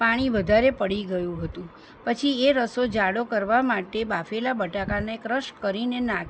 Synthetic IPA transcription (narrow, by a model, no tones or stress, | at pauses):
paɽ̃iʋəd̪ʱaɾepəɽiɡəjũɦət̪ũ | pət͡ʃʰieɾəsod͡ʒaɽokəɾʋamaʈebafelabəʈakanekɾəʃkəɾinenak